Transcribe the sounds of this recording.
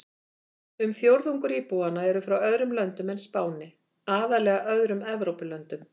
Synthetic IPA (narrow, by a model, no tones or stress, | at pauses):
ʏmfjowɾðuŋkʏɾiːpuwanaɛɾʏfɾawœðɾʏmlœnt̪ʏmɛnspaːwnɪ | aːðalɛːɣaʔœðɾʏmɛvɾowpɪlœnt̪ʏm